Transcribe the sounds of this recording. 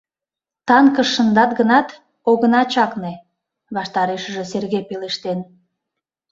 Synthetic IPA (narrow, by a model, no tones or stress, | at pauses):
t̪ɑŋkəʃːənd̪ɑt̪ɣənɑt̪ | oɣənɑt͡ɕɑkne | βɑʃt̪ɑɾeʃəʒeserɣepeleʃt̪en